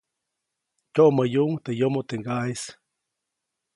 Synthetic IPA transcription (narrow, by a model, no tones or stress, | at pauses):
t͡ʃʲoʔməjuʔŋt̪ejomot̪eŋɡahis